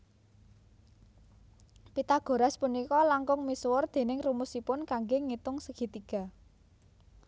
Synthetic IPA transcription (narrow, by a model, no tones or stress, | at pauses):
pit̪aɡ̥o̤ɾaspunikɔlaŋkʊŋmiswʊrd̪̥e̤nɪŋrumusipʊnkaŋɡeŋit̪ʊŋsəɡ̥i̤t̪iɡ̥a̤